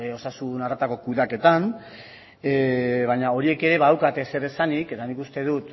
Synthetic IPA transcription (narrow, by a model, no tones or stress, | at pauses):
o̞sasunarat̪ako̞kuðake̞t̪an | βaɲao̞ɾie̞ke̞ɾe̞βaawkat̪ese̞ɾe̞sanike̞t̪anikust̪e̞ðut̪